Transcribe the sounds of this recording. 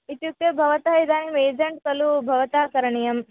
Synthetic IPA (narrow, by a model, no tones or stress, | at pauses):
it̪juk̚t̪ɐbʱɐʋɐt̪ɐid̪aːnʋeːd͡ʒɐɳʈ̚kɐlubʱɐʋɐt̪aːkɐɾɐɳijɐm